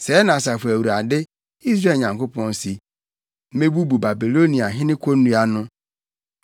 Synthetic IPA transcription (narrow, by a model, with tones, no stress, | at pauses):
se˨˦na˨sa˨fe˨wu˨ɾa˨dɪ˦ | i˦zɾe˨ɲã˨ŋkʊ˦pɔ˦n̩˦si˦ | me˦ɡ͡bu˦bu˨ba˨bi˨lo˦ni˨a˨ɦɪ˦nɪ˦kʷo˦n̩˦u˦a˦nʊ˦